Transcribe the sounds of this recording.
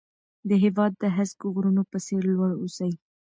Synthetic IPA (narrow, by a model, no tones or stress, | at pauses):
d̪əɦɪwɑd̪ːəɦazɡoɣɾunopəseɾlwaɽosai